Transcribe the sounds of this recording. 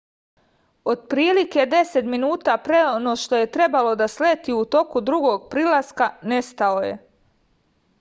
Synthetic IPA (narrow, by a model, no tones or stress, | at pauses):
o̞d̪̚pɾiːlike̞d̪e̞se̞t̪minuːt̪aːpɾeonoːʃt̪o̞je̞t̪ɾe̞balo̞d̪asleːt̪iːut̪o̞kud̪ɾuɡo̞ːɡ̚pɾilaskane̞st̪aoje̞̰